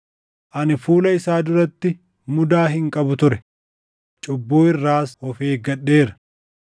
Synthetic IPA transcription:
ʔɐnɪfuːlɐɪsaːd̪ʊɾɐt̪ːɪ | mʊd̪aːɦɪŋkʼɐbʊt̪ʊɾɛ | t͡ʃʼʊbːoːɪrːaːsɔfeːɡɐɗːeːɾɐ̥

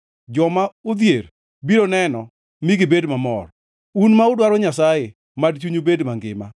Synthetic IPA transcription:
d͡ʒɔmaʊd̪jer | biɾonɛnɔ | miɡɪbedmamɔ̰r | unmaʊdwaɾɔɲasaje | madt͡ʃuɲobedmaŋɡɪ̰ma̰

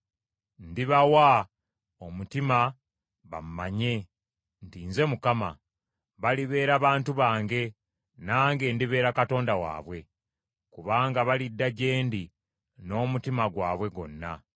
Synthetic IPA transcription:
ndiβawa | omutima | βa̰mumaɲe̞ | ntiːnze̞mukama̰ | βaliβe̞ːɾaβaːntuβaːŋɡe̞ | naːŋɡe̞ndiβe̞ːɾakato̞ːndawa̰ːβwe̞ | kuβaːŋɡaβalidːaɟe̞ːndi | no̞ːmutimaɡwaːβwe̞ɡo̞nːa

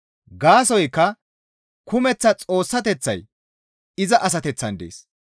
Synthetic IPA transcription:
ɡaːsɔjkːɐ | kʊmɛt͡sːɐt͡sʼo̞ːsːɐt̪ɛt͡sːɐj | ɪzɐʔɐs̬ɐt̪ɛt͡sːɐnd̪ḛːs

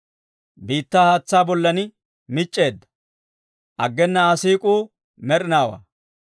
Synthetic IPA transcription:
biːt̪ːaːhaːt͡sːaːbɔlːɐnɪ | mɪt͡ʃʼːe̞ːd̪ːɐ̥ | ʔɐɡːɛnːɐasiːkʼuː | mɛɾɪnaːwa̰ː

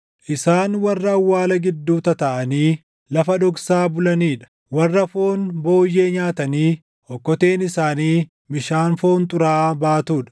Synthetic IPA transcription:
ʔɪsaːnwɐrːɐːwːaːlɐɡɪd̪ːuːt̪ɐt̪ɐʔɐniː | lɐfɐᶑɔɡsaːbʊlɐniːᶑɐ̥ | wɐrːɐfo̞ːnbo̞ːjːe̞ːɲaːt̪ɐniː | ɔkːɔt̪eːnɪsaːniː | mɪʃaːnfo̞ːnt̪ʼʊɾaːbaːt̪uːᶑɐ̥

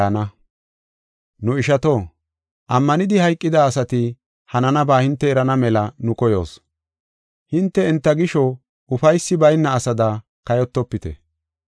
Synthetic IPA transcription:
nɐ | nʊɪʃɐt̪oː | ʔɐmːɐnɪd̪ɪhɐjkʼːɪd̪ɐːsɐt̪ɪ | hɐnɐnɐbaːhɪnt̪ːɛːɾɐnɐmɛlɐnʊkɔjo̞̰ːs | hɪnt̪ːɛɛnt̪ːɐɡɪʃɔ | ʊfɐjsːɪbɐjnːɐːsɐd̪ɐ | kɐjɔt̪ːɔpːɪt̪ɛ̰

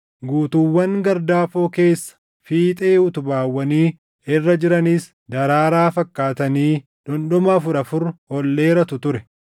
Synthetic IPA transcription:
ɡuːt̪uwːɐŋɡɐɾd̪aːfoːke̞ːsːɐ̥ | fiːt̪ʼeːʊt̪ʊbaːwːɐniː | ɪrːɐd͡ʒɪɾɐniːs | d̪ɐɾaːɾaːfɐkːaːt̪ɐniː | ᶑɔnɗɔmɐfʊɾɐfʊɾhɔlːe̞ːɾɐt̪ʊt̪ʊɾɛ

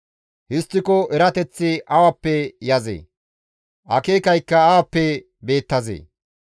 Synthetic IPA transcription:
hɪst̪ːɪkɔʔɛɾɐt̪ɛt͡sːɪʔɐwɐpːɛjɐzḛː | ʔɐ̰keːkɐjkːɐːwɐpːɛ | be̞ːt̪ːɐzḛː

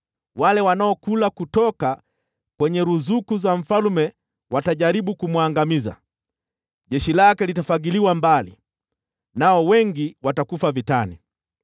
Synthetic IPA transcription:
walɛwanaɔkulakutɔka | kwɛɲɛɾuzukuzaɱ̩falumɛ | wataʄaɾiɓukumwaŋɡamiza̰ | ʄɛʃilakɛlitafaɡiliwambalḭ | naɔwɛŋɡiwatakufavitani

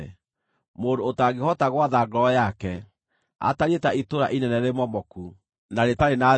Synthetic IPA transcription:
moːdoːtaɡehɔtaɣwaðaɡɾɔjakɛ | a̰taɾietaitoɾa̰ʔinɛnɛɾemɔmɔku | naɾetaɾena

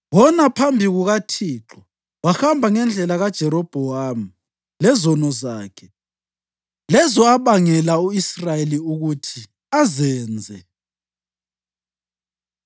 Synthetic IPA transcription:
wɔnapʰambʱiɣuɣatʰiːǁɔ | waxambʱaŋɛnd͡ɮʱɛlaɣad̥ʒ̥ʱɛɾɔb̥ʱɔam̩ | lɛzɔnɔzaːkʰɛ | lɛzɔaβaŋɛlauisrajeliuɣutʰi | azɛːnd͡zʱɛ

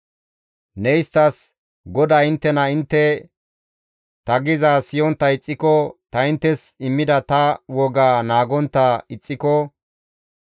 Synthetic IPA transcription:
nɛjst̪ɐs | ɡɔd̪aːɪnt̪ːɛnɐɪnt̪ːɛ | t̪ɐɡɪzasɪjɔnt̪ːɐɪt͡sʼːɪkɔt̪ɐɪnt̪ːɛsɪmːɪd̪ɐt̪ɐwɔɡaːnaːɡɔnt̪ːɐɪt͡sʼːɪkɔ

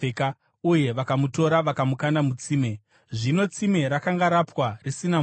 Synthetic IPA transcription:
ka | uje̞ʋakamuto̞ɾaʋakamukandamut͡siːme̞ | ʐino̞t͡sime̞ɾakaŋɡaɾapwarisina

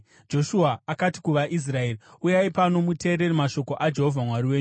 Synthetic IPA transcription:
d͡ʒo̞ʃuaːkati̥kuʋaʔis̬rae̞iujaipano̞mute̞ːɾe̞rimaʃo̞ko̞ʔad͡ʒe̞ɦo̞vʱamwariwe̞ːɲu

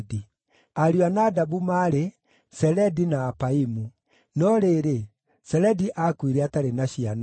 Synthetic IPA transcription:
di | aɾianadaβumaɾe | sɛlɛdinaːpaimu | nɔɾeːɾe | sɛlɛdiʔakwiɾɛataɾenaɕian

